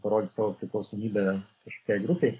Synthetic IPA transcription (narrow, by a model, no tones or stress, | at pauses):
pɐɾoːd̪ʲɪsɑːʋoːpʲɾʲɪklˠɒʊsoːmʲiːbʲɛkɐʃkoːkʲɛːɪɡɾʊpʲɛɪ